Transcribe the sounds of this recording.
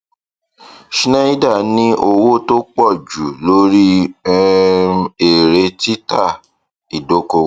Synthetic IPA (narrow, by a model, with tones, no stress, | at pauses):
ʃi˦nã˦i˦da˦˨nĩ˦ʔo˧wo˦to˦k͡pɔ˦˨d͡ʒu˨lo˦ɾi˦ | e˨ɾe˧ti˦ta˦˨ | i˨do˨˦ko˧˦